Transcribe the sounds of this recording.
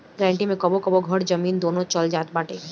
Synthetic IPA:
ɡɾaɳʈimekɔbokɔboɡʱɔɽd͡ʑəmind̪onot͡ɕɔld͡ʒaːt̪̚baʈe

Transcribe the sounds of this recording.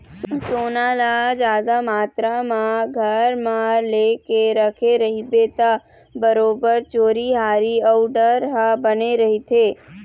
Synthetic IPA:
soːnalad͡ʒaːd̪amaːt̪ɾamãɡʱəɾmãɾleːkeɾəkʰeɾəɦibet̪a | bəɾoːbəɾt͡ʃoːɾiɦaːɾiəuɖəɾɦabəneɾəɦit̪ʰe

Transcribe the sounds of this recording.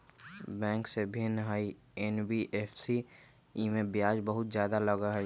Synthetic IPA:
bɛ̃ːŋksebʱɪnɦəi | enbiʔepʰsi | imẽbjaːd͡ʒbəɦʊt̪zjaːd̪aləɡaɦəi

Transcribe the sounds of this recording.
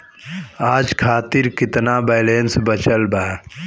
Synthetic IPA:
aːd͡ʒkʰaːt̪iɾkɪt̪nabɛlensbət͡ʃəlbaː

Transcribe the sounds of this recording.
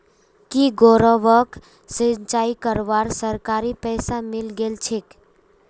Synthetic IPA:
kiɡoɾəʋək | sint͡ʃaikəɾʋaɾsəɾkaɾipəɪsamilɡelt͡ʃʰek

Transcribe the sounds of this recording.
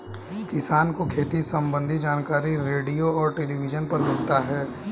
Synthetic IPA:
kɪsaːnkokʰeːt̪isɐ̃mbə̃nd̪ʱid͡ʒaːnkaːɾiɾeːɖijoɔːɾʈeːliʋɪd͡ʒənpɐɾmɪlt̪aɦɛː

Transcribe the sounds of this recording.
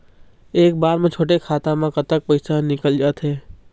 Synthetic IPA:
eːk̚baːɾmẽt͡ʃʰoːʈekʰaːt̪ãmãkɐt̪ək̚pɐɪsanɪkəld͡ʒaːt̪ɦeː

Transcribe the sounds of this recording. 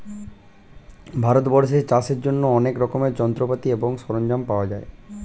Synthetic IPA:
bʱaɾot̪bɔɾʃeɾt͡ɕaseɾd͡ʑonːoɔnekɾɔkomeɾd͡ʑɔnt̪ɾopat̪ieboŋʃɔɾond͡ʑampaoad͡ʑae

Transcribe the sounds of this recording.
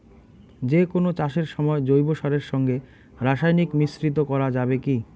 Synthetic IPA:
d͡ʑekonot͡ɕaʃeɾʃɔmɔed͡ʑojboʃaɾeɾʃɔŋɡe | ɾaʃajnikmisɾit̪̬okɔɾad͡ʑabeki

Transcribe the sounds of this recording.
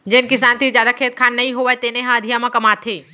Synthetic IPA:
d͡ʒɪnkɪsaːnt̪ʰizjaːd̪akʰeːt̪̚kʰaːnːɐɦĩɦoʋaet̪eːneɦãɐd̪ʱijamãkɐmaːt̪ʰeː

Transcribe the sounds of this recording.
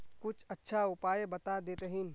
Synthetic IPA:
kʊt͡ʃʰətːʃʰaʊpaːjebət̪ad̪eːt̪eɦɪn

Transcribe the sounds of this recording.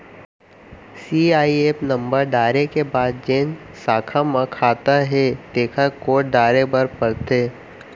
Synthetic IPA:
siaːieːpnə̃mbəɾɖaːɾekebaːd̪̚d͡ʒẽːn | saːkʰamãkʰaːt̪aɦɛd̪eːkʰakoːʈ̚ɖaːɾebɐɾpɐɾt̪eː

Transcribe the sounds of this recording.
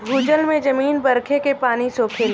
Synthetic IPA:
ɡuːd͡ʒəlmẽd͡ʒɐmiːnbɐɾkʰekepaːnisoːpʰel

